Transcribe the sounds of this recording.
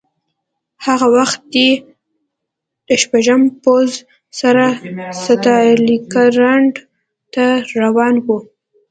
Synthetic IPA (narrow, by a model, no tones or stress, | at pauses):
haɣawaxt̪̚d̪e | d̪̥əʃpaʒəmpoz | saɾasat̪ɑlikaɾaɳɖ | t̪aɾawɑnwu